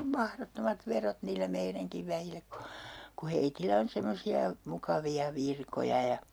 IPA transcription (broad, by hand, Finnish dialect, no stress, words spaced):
om mɑhrotːomɑt ʋerot niːlːæ meiræŋkiʋ ʋæjilːæ ku ku heitilæ on semːosiɑ mukɑʋiɑ ʋirkojɑ jɑ